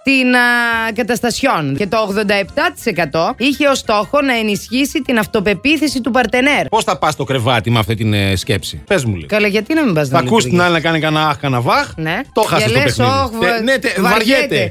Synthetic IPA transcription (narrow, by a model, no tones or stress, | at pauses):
t̪inkɐt̪ɐst̪ɐsço̞nce̞t̪o̞ːɣðond̪ɐe̞pt̪ɐt̪i̥se̞kɐt̪o̞içe̞o̞st̪o̞xo̞nɐe̞nisçisit̪inɐft̪o̞pe̞piθesit̪upɐɾt̪e̞neɾpo̞sθɐpɐst̪o̞kɾevɐt̪imɐft̪it̪inscepsḭpezmulḭkɐloʝɐt̪inɐmimbɐznɐɐkust̪iinɐlinɐkɐnikɐnɐɐxkɐnɐvɐxnet̪oxɐseslepesxiovnet̪evɐvɐɾʝet̪ee